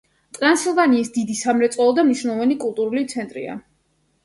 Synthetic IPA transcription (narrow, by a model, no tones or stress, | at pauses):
t̪ʼɾansilˠvaniːsd̪id̪isamɾɛt̪sʼɔɔd̪amniʃnavanikʼulˠt̪ʼuɾulit̪sʰɛnt̪ʼɾḭa̰